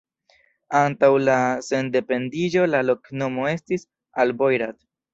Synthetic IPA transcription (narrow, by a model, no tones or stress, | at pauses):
antawlase̞nde̞pe̞ndid͡ʒo̞lalo̞kno̞mo̞e̞stis | albojɾat